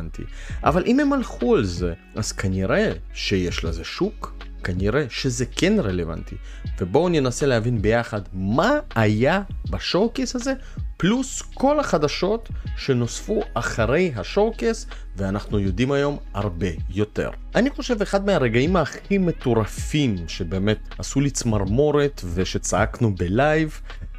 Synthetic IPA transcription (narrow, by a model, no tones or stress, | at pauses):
nt̪ḭ | ʔa̰valʔime̞malχualze̞ | ʔaz̥kaniʁe | ʃejeʃlezeʃukː | aniʁe̞ʃe̞zeke̞nʁeleva̰nt̪ḭ | ve̞bo̞njenaseleavinbe̞jaχad̪maːjabaʃo̞kesaze̞ | plusko̞laχadaʃo̞t̪ʃe̞no̞sfuaχaʁe̞jɦaʃo̞kes | veanaχnujo̞dimajo̞m | aʁbe̞jo̞t̪e̞̰ʁʔaniχo̞ʃe̞veχad̪meaʁe̞ɡaimaːχime̞t̪oʁafimʃe̞be̞ːme̞t | asulit͡smaʁmo̞ɾet̪ve̞ʃe̞t͡saaknubelajv